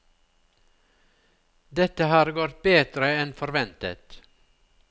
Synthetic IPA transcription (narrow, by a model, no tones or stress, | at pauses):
d̪ɛt̪əhɑːɾɡoːɾt̪̚beːd̪ɾəɛnfɔɾʋɛnt̪ə̰t̪